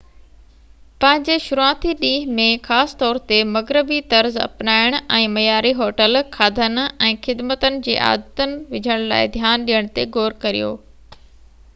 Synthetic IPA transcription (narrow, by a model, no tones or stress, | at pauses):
pɐ̃ɦɪ̃ɲd͡ʑeʃʊɾuãːt̪ʰiɗiːɦmẽxaːst̪ɔːɾt̪emɐɡɾɪbit̪ɐɾzɐ̰pnaːɪɽ̃ʊɛ̃ːmɐjaːɾiɦoːʈəlkʰaːd̪ʱənɛ̃ːxɪd̪mət̪ənɪ̆d͡ʑḛːʔa̰ːd̪ət̪ənɪ̆ʋɪd͡ʑʱəɽ̃la̰ːɪd̪ʱjaːnɗijəɽ̃t̪eɡoːɾkɐɾḭjo̰ː